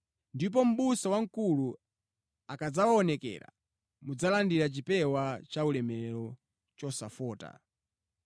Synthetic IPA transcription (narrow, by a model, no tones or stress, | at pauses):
ndip̬ɔm̩ɓusawaŋ̩kulu | akad͡zawaɔnɛkɛ̰ɾa̰ | mud͡zalandiɾat͡ʃipɛwat͡ʃaulɛmɛɾɛɾɔ | t͡ʃɔsa̰fɔːta̰